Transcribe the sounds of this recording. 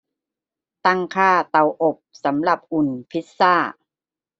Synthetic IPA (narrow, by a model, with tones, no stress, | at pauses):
t̪a˥˩ŋkʰaː˥˩t̪a˨˩wʔo˨˩p̚sa˩˦mla˨˩p̚ʔu˨˩npʰi˦˥t̪̚saː˥˩